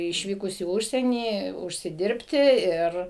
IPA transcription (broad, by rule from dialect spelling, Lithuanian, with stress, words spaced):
ɪʃʲˈʋʲiːkʊs iː ˈʊʃʲsʲiɛnʲiː ʊʃʲsʲɪˈdʲɪrʲpʲtʲɪ ˈɪr